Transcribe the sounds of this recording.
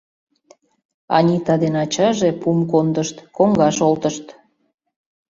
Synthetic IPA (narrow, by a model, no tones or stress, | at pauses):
ɑ̰nʲit̪ɑd̪enɑt͡ɕɑʒepumkond̪əʃt̪koŋɡɑʃolt̪əʃt̪